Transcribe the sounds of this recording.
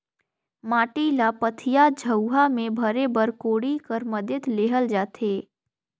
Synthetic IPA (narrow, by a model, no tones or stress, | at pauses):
maːʈilapət̪ʰɪjad͡ʒʱəwɦamẽbʱəɾebəɾkoːɽikəɾməd̪jət̪leːɦəld͡ʒaːt̪ʰeː